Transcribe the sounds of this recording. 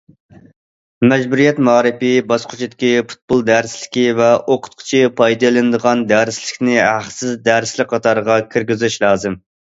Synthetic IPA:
mɛd͡ʒbuɾijɛt̪mɑːɾɨpibɑsqʰʊt͡ʃʰid̪ɪkʲipʰu̥t̪̚bolˠd̪æɾslɪ̥kʲivɛʔoqʰʊ̥t̪̚qʰʊ̥t͡ʃʰipʰɑjd̪ɨlˠɨnɨd̪əʁɑnd̪æɾɪslɪkʲnɪhæχsɪzd̪æɾslɪk̚ʲqʰɑt̪ʰɑɾʁɑkʲʰiɾɡʲɪzyʃlˠɑːzɨm

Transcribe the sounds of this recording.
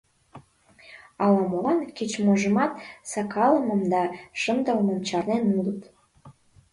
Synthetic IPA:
ɑlɑmolɑnket͡ɕmoʒəmɑt̪sɑkɑləmə̆md̪ɑʃənd̪ələməmt͡ɕɑrnenulət̪

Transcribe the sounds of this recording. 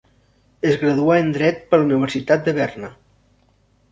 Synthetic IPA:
ezɣɾəðuaend̪ɾɛt̪̚pəluniβ̞əɾsit̪at̪̚d̪əβɛrnə

